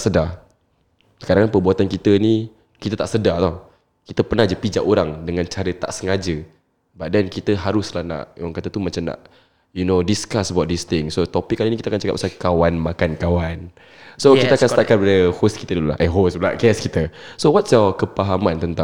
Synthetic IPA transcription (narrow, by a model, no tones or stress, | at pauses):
səda | kaɾaŋnpəbuat̪ankit̪əni | kit̪ət̪aʔsədat̪ɔh | kit̪əpənahd͡ʒəpid͡ʒaʔoɾaŋdəŋãnt͡ʃaɾət̪a̰ʔsəŋad͡ʒə | baʔ̚dɛnkit̪əɦaɾʊslahna̰ʔaŋkat̪ət̪umat͡ʃamna̰ʔ | junodiskasəbawt̪̚dist̪ɪŋsot̪opɪkːalinikit̪əakant͡ʃaka̰tp̚ʔsakawanmakankawan | sokit̪akanst̪aʔkanpadəhoski̥t̪ədulula̰ɦʔaɦosbla̰ʔ̚kɛskit̪əsowatsjɔkəpaɦamant̪ənt̪ã